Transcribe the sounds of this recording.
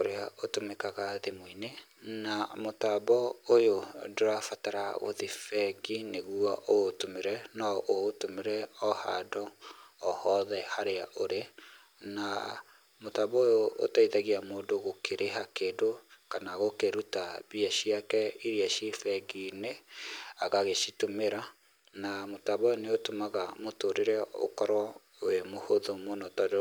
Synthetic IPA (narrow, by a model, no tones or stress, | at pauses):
oɾeaotomekaɣaðemoinenamotaβɔojodoɾafataɾaɣo̰ðifɛɡineɣwaʔotomeɾɛnɔʔotomeɾɛɔha̰dɔː | hɔðɛhaɾeaʔoɾe | na̰ | motaβɔjoo̰taiðaɣiamoːndoɣokʰeɾʔeɦakeːdokanaɣokeɾutaβiaʃiakɛiɾiaʃifɛɡineaɣaɣeʃitomeɾa | namotaβɔoneotomaɣamotoɾeɾɛo̰kɔɾwɔ | wemohoðomonɔtad